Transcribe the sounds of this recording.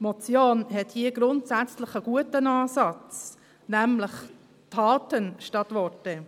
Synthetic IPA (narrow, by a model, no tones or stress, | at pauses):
mɔt͡sjoːnɦɛthiəɡɾʊntsæt͡slɪχəɡ̥uətənɑːsɑt͡s | nɛmləχ | tʰɑːtənʃtɑtʋɔtɛ